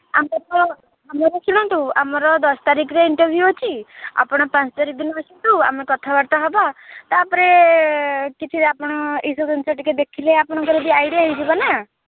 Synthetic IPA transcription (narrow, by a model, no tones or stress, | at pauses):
a̰mkɔɾɔ | amɔɾɔsiɽ̃ɔ̃nt̪uamɔɾɔd̪ɔst̪aɾikʰɾeiɳʈɔɾbʱjuot͡ʃʰia̰pɔɽ̃ɔpãt͡ʃt̪aɾik̚d̪inɔɔsint̪ua̰mekɔt̪ʰabaɽt̪aɦɔbat̪apɔɾe | kit͡ʃʰiɾapɔɽ̃ɔisud̪ɔnt͡ʃaʈiked̪ekʰileapɔɽ̃ɔkɔɾebiajɽiaɦid͡ʒibana